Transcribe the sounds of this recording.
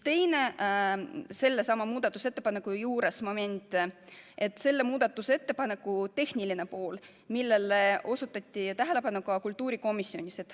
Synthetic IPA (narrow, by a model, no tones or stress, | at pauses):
t̪e̞jne | se̞lːe̞sɑmɑmuːd̪̥ɑt̪ːˑuse̞t̪ːˑe̞̥pɑnekːujuːɾe̞smo̞me̞nʲt̪ˑʔe̞t̪ːˑse̞lːe̞muːd̪̥ɑt̪ːˑuse̞t̪ːe̞pɑne̞kːˑut̪e̞hnʲiline̞po̞ːl | milːe̞lːeo̞sut̪ːˑɑt̪ʲːit̪æɦele̞pɑnːukɑkult̪ˑːuːɾiko̞misːio̞nʲiset̪